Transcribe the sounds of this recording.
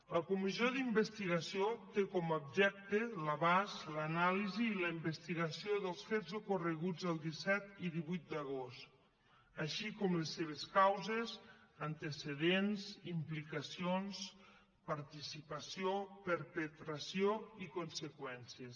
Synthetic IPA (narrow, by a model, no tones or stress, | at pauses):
ləkumizjoðimbəst̪iɣasiot̪ekɔmub̚ʒɛk̚t̪ələβazlənaliziːləimbəst̪iɣasioðəlˠsfezukurəɣud͡zəlˠd̪isɛt̪iðiβujt̪̚d̪əɣ̞ost̪ | aʃikɔmlesːeβ̞eskawzezənt̪eseðenzimplikasions | paɾt̪isipasiopəɾpət̪ɾasioikunsəkwɛnsies